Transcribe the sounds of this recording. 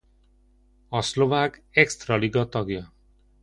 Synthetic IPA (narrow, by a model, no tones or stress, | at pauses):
ʌslobakekst̪rʌliɡʌt̪ʌɡjʌ